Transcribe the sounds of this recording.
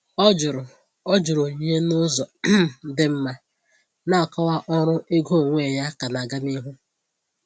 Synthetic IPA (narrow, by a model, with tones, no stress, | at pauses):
ɔ˦d͡ʒʊ˨ɾʊ˨ | ɔ˦d͡ʒʊ˨ɾʊ˨ɲe˦nʊ˦zɔ˨˦dɪ˦m̩˦ma˦ | na˦˨kɔ˦wa˦ʔɔ˦ɾʊ˦ɪ˦ɡo˦o˨ŋʷe˦˨ja˦ka˨na˨ɡa˦mi˦ɦu˦